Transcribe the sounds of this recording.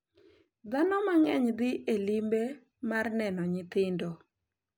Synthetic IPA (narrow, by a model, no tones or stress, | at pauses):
d̪anɔmaŋɛɲd̪ɪʔelimbe | marnɛnɔɲɪt̪ɪndo